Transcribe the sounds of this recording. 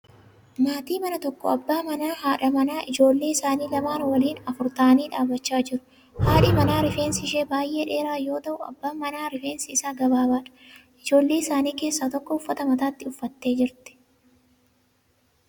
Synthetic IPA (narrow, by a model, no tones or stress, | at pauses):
maːt̪iːmɐnɐt̪ɔkːɔ̰ɐbːaːmɐnaːhaːᶑɐmɐnaːʔɪd͡ʒo̞ːlːe̞ːɪsaːniːlɐmaːnwɐliːnɐfʊɾt̪aːniːᶑaːbːɐt͡ʃːaːd͡ʒɪɾʊ̥ | haːᶑɪmɐnaːɾɪfe̞ːnsɪɪʃeːbaːjʔe̞ːᶑe̞ːɾaːjo̞ːt̪ɐʔʊɐ̰bːaːmɐnaːɾɪfe̞ːnsɪɪsaːɡɐbaːbaːᶑɐ̥ʔɪd͡ʒo̞ːlːe̞ːɪsaːniːke̞ːsːat̪ɔkːɔʊfːɐt̪ɐmɐt̪aːt̪ːɪʊfːɐt̪ːe̞ːd͡ʒɪɾt̪ɛ̥